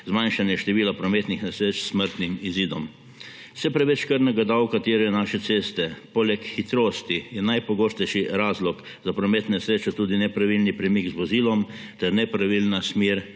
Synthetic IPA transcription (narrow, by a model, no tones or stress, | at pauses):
zmanʃanjɛʃt̪ɛʋiːlapɾɔmet̪nixnɛsɾeːt͡ʃsməɾt̪nimiziːd̪ɔm | sɛpɾɛʋɛt͡ʃkəɾnɛɡad̪awkat̪eːɾɛjɛnaːʃɛt̪seːst̪ɛpoːlɛkxit̪ɾoːst̪ijɛnajpɔɡoːst̪ɛjʃiɾaːzlɔk | zapɾɔmeːt̪nɛsɾeːt͡ʃɔt̪uːd̪inɛpɾaʋilnipɾɛmikzʋɔziːlɔm | t̪ɛɾnɛpɾaʋilnasmeːɾ